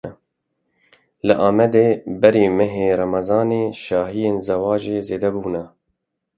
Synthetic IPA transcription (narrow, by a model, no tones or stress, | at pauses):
lɨʔɑːmɛd̪eːbɛɾiːmɛɦeːɾɑmɑzɑːneːʃɑːhijeːnzɛwɑːʒeːzeːd̪ɛbuːnɛ